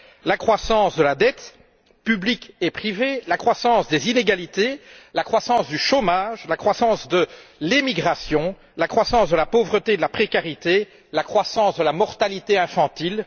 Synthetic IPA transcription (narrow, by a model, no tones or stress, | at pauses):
lakχwasɑ̃ːsd̪əlad̪ɛt̪ | pyblikepχivelakχwasɑ̃sd̪ezineɡalit̪elakχwasɑ̃sd̪yʃomaʒlakχwasɑ̃sd̪əlemiɡʁasjɔ̃ | lakχwasɑ̃sd̪əlapovʁət̪ed̪əlapχekaʁit̪e | lakχwasɑ̃sd̪əlamɔʁt̪alit̪eɛ̃fɑ̃t̪il